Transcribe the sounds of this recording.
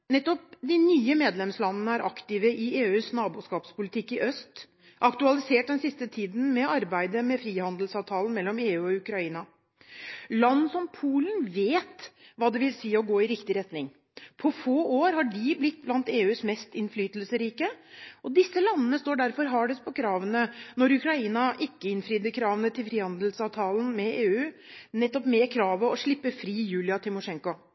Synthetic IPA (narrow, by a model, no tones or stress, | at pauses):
nɛt̪ːɔp̚d̪ɪnyːəmeːd̪lɛmslɑnːənəæɾʔɑkt̪ɪʋəʔɪeːʉːsnɑːbuːʂkɑːpspʊlɪt̪ʰɪkːɪʔœst̪ | ʔɑkt̪ʉɑlɪseːʈ̚d̪ɛnsɪst̪ət̪ʰiːd̪n̩mɛɑɾbæɪd̪əmɛfɾiːhɑnd̪lsɑːʋt̪ʰɑːlən̩mɛlːɔmeːʉːɔʉkɾɑiːnɑ | lɑnːsɔmpʰuːlənʋeːt̪ʋɑːd̪ɛʋɪlsiːəɔɡoːɪɾɪkt̪ɪɾɛt̪nɪŋ | pʰɔfoːoːɾhɑɖɪblɪt̪̚ːblɑnt̪eːʉːsmɛst̪ɪnflyːt̪əlsəɾiːkəʔɔd̪ɪsːəlɑnːənəst̪oːɖæɾfɔɾɦɑɖɛspʰɔkʰɾɑːʋənənɔɾʉkɾɑiːnɑʔɪkːəɪnfɾiːd̪əkʰɾɑːʋənət̪ʰɪlfɾiːhɑnd̪əlsɑːʋt̪ʰɑːlən̩mɛeːʉː | nɛt̪ːɔpmɛkʰɾɑːʋəɔʂɭɪpːəfɾiːjʉːlɪɑt̪ʰɪmʊʂɛŋkʊ